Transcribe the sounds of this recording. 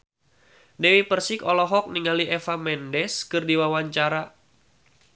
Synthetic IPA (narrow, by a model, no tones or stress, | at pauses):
dewipərsɪkɔlɔɦɔk̚niŋaliʔɛfamɛndɛskɨrdiwawaɲt͡ʃaɾa